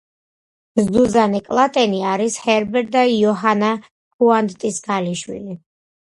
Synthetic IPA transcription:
zd̪uzanɛkʼlˠat̪ʼɛniaɾishɛɾbɛɾd̪aiɔɦana | kuand̪t̪ʼisɡaliʃwḭli

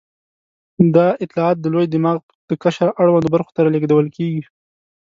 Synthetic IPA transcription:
d̪ɑɪt̪lɑɑt̪̚d̪əlojd̪ɪmɑɣ | d̪̥əkaʃaɾʔaɽwand̪obaɾxo̥t̪aɾɑleɡd̪awəlkeɡi

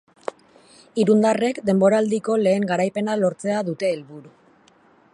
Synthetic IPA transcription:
iɾund̪are̞kd̪e̞mbo̞ɾaːld̪iko̞le̞ːŋɡaɾajpe̞nalo̞ɾt͡se̞aðut̪e̞ːlβuɾu

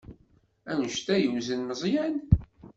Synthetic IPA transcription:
ænʃt̪æjəwzənːəzˤjæn

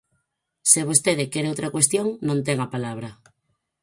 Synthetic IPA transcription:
seβ̞ost̪eðekeɾeowt̪ɾakwest̪joŋnõnt̪̬eŋapalaβ̞ɾɐ

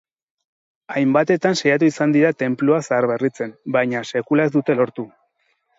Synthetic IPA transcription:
ajmbat̪e̞t̪ansajat̪̬uisand̪iɾat̪e̞mploasaːɾβe̞rit͡se̞mbajɲase̞kulae̞zd̪ut̪e̞lo̞ɾt̪u

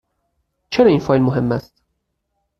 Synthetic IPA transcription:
t͡ʃʰeɾɒːiːnfɒːjlmoɦe̞mːæst̪̚

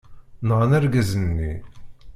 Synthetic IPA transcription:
nʁanæɾɡæzənːḭ

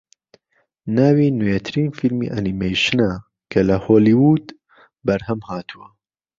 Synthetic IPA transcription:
naːwinujɛt̪ʰɨɾiːnfilmḭːʔɐnimejʃɨnɐ | kʰɐlɐhoːliwuːd̪ | bɐɾhɐmhaːt̪ʰuwɐ

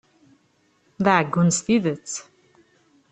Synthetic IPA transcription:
ðaʕəɡːʊnsθiðət͡sː

